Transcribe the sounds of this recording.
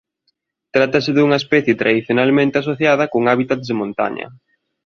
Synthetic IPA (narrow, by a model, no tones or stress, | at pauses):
t̪ɾat̪ɐsɪðuŋɐespɛθjɪt̪ɾaðiθjonalmẽnt̪ɪas̬oθjað̞ɐkoŋaβit̪at̪ðemõnt̪a̰ɲɐ̰